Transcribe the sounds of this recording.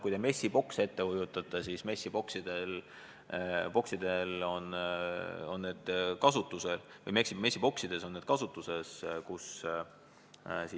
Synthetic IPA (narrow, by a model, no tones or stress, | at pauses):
kujd̪eme̞sʲːib̥o̞kse̞t̪ːe̞hujut̪ːˑɑt̪ːˑesisme̞sʲːib̥o̞ksid̪̥e̞l | po̞ksid̪̥e̞lo̞n | o̞nːe̞ːd̪̥kɑsut̪ːˑuse̞lvɤjmeksimesʲːibo̞ksid̪̥e̞so̞nːed̪̥̚kɑsut̪ːˑuse̞skus | si